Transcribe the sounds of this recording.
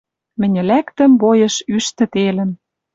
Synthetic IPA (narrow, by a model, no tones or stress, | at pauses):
mɘ̆nʲɘ̆lækt̪ə̆mbojɤ̆ʃyʃt̪ɘ̆t̪elə̆n